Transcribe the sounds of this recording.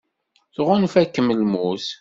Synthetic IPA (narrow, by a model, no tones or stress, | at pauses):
θʁʊnfækːəməlmuθ